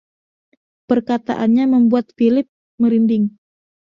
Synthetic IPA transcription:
pərkat̪a̰ʔanɲaməmbuat̪̚filɪp̚ | məɾindɪŋ

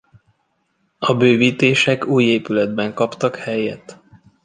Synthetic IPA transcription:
ɒbøːviːt̪eːʃɛkuːjeːpylɛd̪bɛŋkɒpt̪ɒkhɛjɛt̪

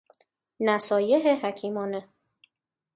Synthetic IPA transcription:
næsɒːjeɦeɦæcʰiːmɒːne

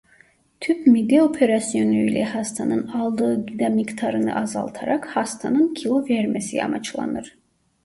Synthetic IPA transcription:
t̪ʰypmid̪io̞pʰeɾasjo̞nujlʲɛhast̪ʰanɯnɑlˠd̪ɯːɡid̪amikt̪ʰaɾɯnɯ̰ʔazɑ̰lˠt̪ʰaɾakhast̪ʰanɯncʰilˠo̞vɛɾmesija̰mat͡ʃlˠa̰nɯɾ̥

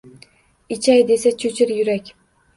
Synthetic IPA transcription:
ɪt͡ʃʰajd̪e̞sat͡ʃʰɵt͡ʃʰɪɾjʊɾakʲ

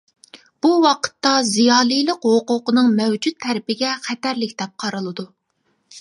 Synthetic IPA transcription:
b̥uwɑqʰə̥t̪ːɑzijɑːlˠijlˠəqhoqʊqənɨŋmɛwd͡ʒut̪ʰːæɾpɪɡʲɛχɛt̪æɾlɪkʲt̪ɛp̚qʰɑɾɨlˠɨd̪u

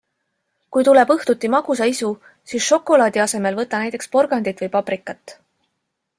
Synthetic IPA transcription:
kujt̪ule̞bɤht̪ut̪ːimɑɡ̥us̬ɑisu | siːsʃo̞kːˑo̞lɑːd̪iɑse̞me̞lvɤt̪ːˑɑnæjt̪ːˑe̞kspo̞rɡ̥ɑnd̪̥it̪ˑvɤjpɑbrikːˑɑt̪ːˑ

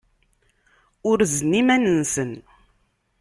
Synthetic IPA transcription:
ʊɾznimænənsən

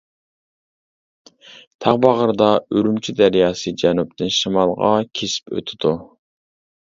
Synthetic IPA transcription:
t̪ʰɑʁbɑʁəɾd̪ɑøɾymt͡ʃʰyd̪æɾjɑːsɨd͡ʒɛnup̚t̪ɪnʃɨmɑlˠʁɑ̰kʲʰesɪ̥pʰø̰t̪ʰɪd̪̥u

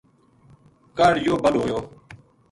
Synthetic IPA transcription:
kaːɽjoːbəlɦoːjoː

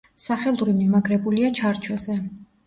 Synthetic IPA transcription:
saχɛlˠuɾimimaɡɾɛbuliat͡ʃʰaɾt͡ʃʰɔzɛ

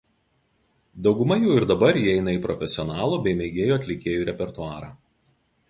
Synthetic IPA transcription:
d̪ɒʊɡʊmɐjɛʊɪɾd̪ɐbɐɾjiɛɪnɐiːˑpɾɔfʲɛsʲɪɔnɑːlˠuːbʲɛɪmʲɛːɡʲeːjoːɐt̪ʲlʲɪkʲeːjuːɾʲɛpʲɛɾt̪ʊɑːɾɑː

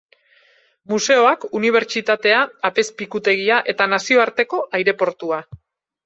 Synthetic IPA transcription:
muse̞o̞akuniβ̞e̞ɾt͡ʃit̪at̪e̞aːpe̞spikut̪e̞ɣ̞iaʔe̞t̪anasio̞aɾt̪e̞ko̞ʔajɾe̞po̞ɾt̪ua

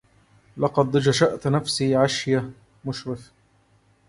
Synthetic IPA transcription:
lɑqɑd̪d͡ʒaʃaʔt̪nafsiːʕaʃja | mʊʃɾɪf

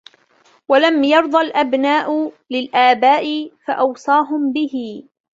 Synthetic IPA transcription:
walamjɑɾˤd̪ˤɑlʔabnaːʔʊ | lɪlʔaːbaːʔɪfaʔɑwsˤɑːɦʊmbɪɦɪ

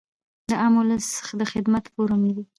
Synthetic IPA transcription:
d̪əamʊləssə̥xad̪əxɪd̪mat̪poɾamed̪i

